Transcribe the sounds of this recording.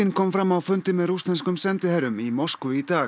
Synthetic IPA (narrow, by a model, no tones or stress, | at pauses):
ɪnkʰɔmfɾamːawfʏnt̪ɪmɛðɾust̪lɛnskʏmsɛnt̪ɪhɛɾʏmimorskʏit̪aː